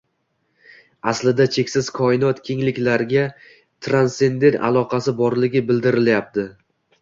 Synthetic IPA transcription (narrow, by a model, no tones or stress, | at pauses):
aslɪd̪at͡ʃʰe̞kʲsɪzkʰɒɪnɒt̪kʲʰe̞ŋlɪkʲlaɾɡʲa | t̪ʰɾanse̞nd̪e̞ɾa̰lˠɒqʰɑsɪbɒɾlɪɡʲɪbɪld̪ɪɾɪljap̚t̪ʰɪ